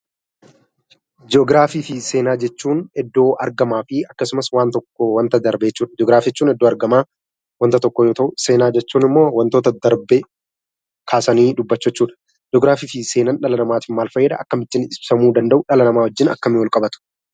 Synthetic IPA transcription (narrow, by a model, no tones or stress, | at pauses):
d͡ʒoːɡɾaːfiːfɪse̞ːnaːd͡ʒɛt͡ʃːuːnɛd̪ːo̞ːʔɐɾɡɐmaːfɪɐkːɐsʊmɐswaːnt̪ɔkːowɐnt̪ɐd̪ɐɾbet͡ʃːuːᶑɐd͡ʒɔɡɾaːfɛt͡ʃːuːnɛd̪ːo̞ːɐɾɡɐmaː | wɐnt̪ɐt̪ɔkːɔjoːt̪ɐʔʊse̞ːnaːd͡ʒɛt͡ʃːuːnɪmːoːwɐnt̪oːt̪ɐd̪ɐɾbe | kʰaːsɐniːᶑʊbːɐt͡ʃːɛɛt͡ʃːuːᶑɐ̥ | d͡ʒɔɡɾaːfiːfɪse̞ːnɐnᶑɐlɐnɐmaːt̪ɪnmaːlfɐjːɛd̪ɐɐkːɐmɪt̪ːɪnɪssɐmuːd̪ɐnd̪ɐʔʊᶑɐlɐnɐmaːwɔd͡ʒːɪnɐ̰kːɐmɪwɔlkʼɐbɐt̪ʊ̥